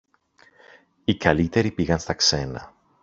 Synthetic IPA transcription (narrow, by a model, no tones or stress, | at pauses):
ikɐlit̪e̞ɾipiɣɐnst̪ɐkse̞nɐ̰